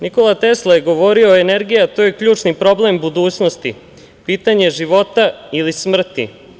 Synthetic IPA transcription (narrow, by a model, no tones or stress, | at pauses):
niko̞lat̪e̞slˠojeɡo̞ʋo̞ɾio̞ene̞ɾɡijat̪oːje̞kʎuːt͡ʃnipɾo̞ble̞mbud̪uːt͡ɕnost̪i | piːt̪aɲe̞ʒiʋo̞t̪ailismr̩t̪ḭ